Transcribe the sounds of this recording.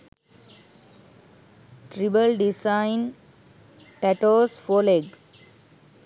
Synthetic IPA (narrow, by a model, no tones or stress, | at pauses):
ʈɾibəlɖisãɪ̃n | ʈɛʈoːsfoːleɡ